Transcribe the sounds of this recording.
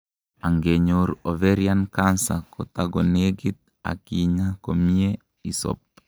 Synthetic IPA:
aŋɡeɲoɾɔveɾiankansakɔt̪aɡɔneɡit̪̚ | a̰kiɲakomie | isɔ̰p̚

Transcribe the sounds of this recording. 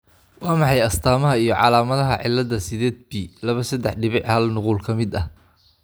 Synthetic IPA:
wɑːmɑħɑjɐst̪ʰaːmɐɦɐijɞʕɑ̰laːmɐðɐɦɐʕɪ̰lːɐðɐsɪðɛːd̪̚bilɐβɐsɐd̪ɛħɖɪβɪʕhɐlnʊquːlkʰɐmɪd̪ɐh

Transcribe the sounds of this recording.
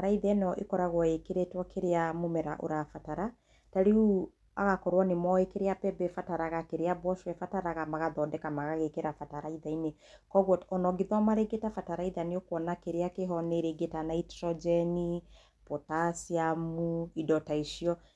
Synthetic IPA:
aɾaiðɛnɛɔʔḛkɔɾaɣwɔekeɾetwakʰeɾeamomɛɾa̰ʔo̰ɾafataɾa | taɾiu | a̰ɣakɔɾwanemɔekeɾeapɛbɛfataɾaɣakeɾeabɔʃwɛfataɾaɣamaɣaðɔdɛkamaɣaɣekeɾafataɾaiðaine | kɔɣwɔtɔnɔɡiðwamaɾeɡetafataɾaiðaneokwɔnakeɾeakeɦɔneɾeɡetanaitɾɔd͡ʒɛni | pɔtasiamuidɔtaiʃiɔ

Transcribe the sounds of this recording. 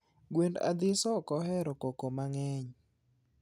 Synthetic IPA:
ɡwenda̰d̪ɪsɔkɔhɛɾɔkokomaŋɛɲ

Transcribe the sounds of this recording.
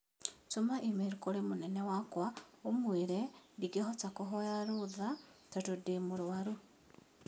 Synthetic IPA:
t͡ʃomaʔimeɾukoɾemonɛnɛwakwaomweɾɛdiɡeɦɔt͡sakoɦɔjaɾoðatatodemoɾoaɾu

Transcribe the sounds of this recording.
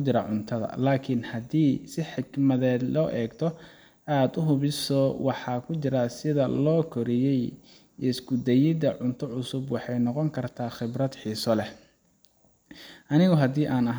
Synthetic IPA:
t͡ʃɪɾɐʕʊnt̪ʰɐðɐ̰laːkʰɪnhɐd̪iːsɪħɪɡmɐðɛːd̪lɔːʔɛːɡt̪ʰɔ | aːd̪ʊɦʊβɪsɔwɑħɑːkʰʊt͡ʃɪɾɐsɪðɐlɔːkʰɔɾɪjɛj | ɛɪsɡʊd̪ɛjɪd̪ɐʕʊnt̪ʰɔʕʊsʊbwɑħɑjnɔqɔŋkʰɐrt̪ʰaːχɪbrɐd̪ħiːsɔlɛ | ʔɐnɪɣɔɦɐd̪iːʔaːnɐɦ

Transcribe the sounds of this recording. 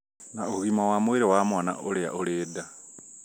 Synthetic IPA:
naoɣimawamweɾewamwaːna̰ʔolea̰ʔoleːda

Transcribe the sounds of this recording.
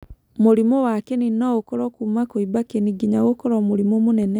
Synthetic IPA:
moɾimɔwakeninaokɔɾɔkumakoibakeniɡiɲaɣokɔɾɔmoɾimɔmonɛnɛ

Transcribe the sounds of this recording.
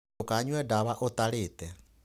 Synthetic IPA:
okaɲwɛdaβaʔotaletɛ

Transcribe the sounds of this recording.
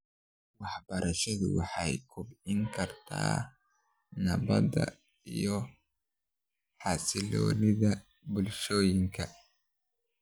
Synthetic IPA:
wɑħbɐɾɐʃɐðʊ̰wɑ̰ħɑjkʰʊbɪŋkʰɐrt̪ʰa̰ː | nɐβɐ̰dɐ̰ | ijɔ | ħɑsɪlɔ̰ːnɪðɐ | bʊlʃɔːjɪŋkʰɐ

